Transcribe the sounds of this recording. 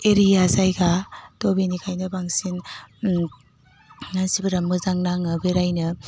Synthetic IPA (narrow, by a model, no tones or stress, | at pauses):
eɾijazajɡatobinikʰajnɯbaŋsin | nansibɯɾamɯzaŋnaŋɯbeɾajnɯ